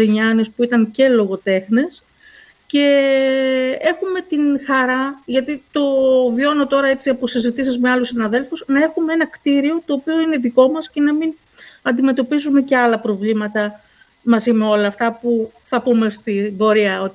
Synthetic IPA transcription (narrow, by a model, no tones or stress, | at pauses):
iɲɐnispuit̪ɐnce̞lo̞ɣo̞t̪e̞xnes | ce̞ | e̞xume̞t̪inxɐɾɐʝɐt̪it̪o̞vio̞no̞t̪o̞ɾɐe̞t͡siɐposizit̪isizmeɐlusinɐðe̞lfuznɐe̞xumee̞nɐkt̪iɾio̞t̪o̞ːpio̞ineðiko̞mɐsce̞nɐmin | ɐnd̪ime̞t̪o̞pizume̞ce̞ɐlɐpɾo̞vlimɐt̪ɐ | mɐzime̞o̞lɐːft̪ɐpu | θɐpume̞st̪ibo̞ɾiɐo̞t̪